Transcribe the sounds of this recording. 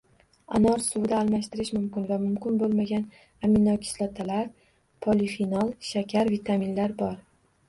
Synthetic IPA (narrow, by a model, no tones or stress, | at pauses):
anɒɾsʊwd̪aːlˠmaʃt̪ɪɾɪʃmʊmkʲɪnvamʊmkʲɪnbolˠmaɡʲan | amɪnːɒkʲʰɪ̥slat̪ʰalaɾ | pʰolifinɒlˠʃakʲʰaɾvit̪ʰaminlaɾbɒɾ